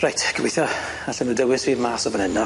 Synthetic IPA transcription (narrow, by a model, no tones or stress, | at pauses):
rajtʰkʰəweθjɔ | aɬɛnuːdəwɪsviːvmaːsɔbənɛnɔ